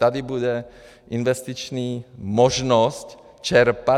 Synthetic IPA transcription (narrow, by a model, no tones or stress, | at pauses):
t̪ad̪ibud̪ɛ | ʔinʋɛst̪it͡ʃniːmɔʒnɔsc | t͡ʃɛɾpa